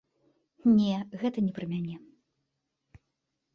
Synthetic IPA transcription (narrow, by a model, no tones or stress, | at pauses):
nʲɛɣɛt̪ɐnʲɛpɾɨmʲanʲɛ